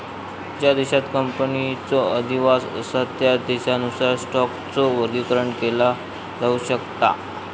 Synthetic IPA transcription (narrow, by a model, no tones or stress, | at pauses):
d͡ʑad̪eɕat̪kəmpənit͡sɔəd̪ʱiʋasəsət̪jad̪eɕaənusaɾsʈɔk | t͡sɔʋəd̪ikəɾəɳkela | d͡zauɕəkt̪a̰